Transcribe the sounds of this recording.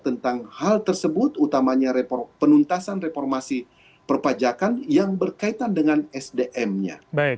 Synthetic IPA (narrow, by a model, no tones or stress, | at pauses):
t̪ənt̪aŋhalt̪ərsəbʊt̪ut̪amaɲaɾepɔrpənunt̪asanrefɔrmasi | pərpad͡ʒakanjaŋbərkait̪andəŋanɛsdeʔɛmɲa̰ba